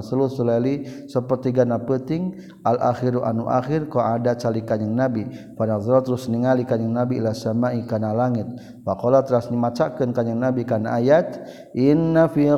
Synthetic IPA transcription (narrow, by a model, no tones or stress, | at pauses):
səlusulalisəpərt̪iɡanapət̪ɪŋ | alʔa̰xiɾuʔa̰nuʔa̰xɪrkaadat͡ʃalikaɲəŋnabifanazlat̪əɾʊsniŋalikaɲəŋnabiːlasamaikanalaŋɪt̪̚ | wakolat̪əɾasnimat͡ʃakənkaɲaŋnabikanaʔajat̪ | ʔinːafi